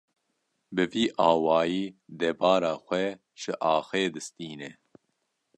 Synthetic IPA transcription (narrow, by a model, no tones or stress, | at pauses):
bɨviːʔɑːwɑːjiːd̪ɛbɑːɾaːxʷɛ | ʒ̥ɨʔɑːxeːd̪ɨst̪iːnɛ